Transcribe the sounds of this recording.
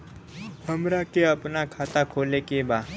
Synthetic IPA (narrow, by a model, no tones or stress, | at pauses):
həmɾakeəpnakʰat̪akʰolekeba